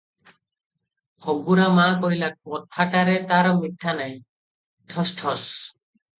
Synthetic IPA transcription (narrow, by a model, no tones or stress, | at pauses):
hɔɡuɾamakɔjlakɔt̪ʰːaʈaɾet̪aɾɔmiʈʰːanaj̃ | ʈʰɔsʈʰɔs